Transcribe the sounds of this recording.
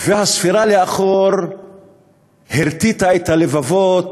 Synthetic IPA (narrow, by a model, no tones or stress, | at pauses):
vehasfiɾaleaχoɾ | heɾt̪it̪aet̪halevavot̪